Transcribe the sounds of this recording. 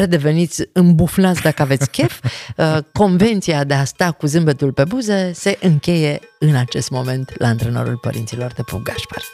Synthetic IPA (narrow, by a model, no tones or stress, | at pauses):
ɾed̪e̞ve̞nit̪sʲɨmbufnat̪sʲd̪akəave̞t̪sʲkʲefəko̞nve̞nt̪sijad̪e̞ast̪akuzɨmbət̪ulpe̞buzese̞ʔɨŋkʲe̞je̞ɨnat͡ʃe̞st̪mo̞me̞nt̪lʔaɨnt̪ɾeno̰ɾṵlpə̰ɾʔint̪silo̞rd̪e̞pṵɡaʃpa̰r